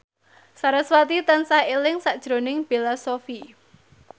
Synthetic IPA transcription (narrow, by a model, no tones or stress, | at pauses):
saɾaswat̪it̪ansaelɪŋsaʔd̥ʒ̥ɾo̤nɪŋb̥elasofi